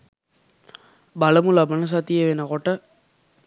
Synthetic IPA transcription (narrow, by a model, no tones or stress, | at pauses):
bɐlɐmulɐbɐnɐs̬ɐt̪ːijeʋenɐkoʈːɐ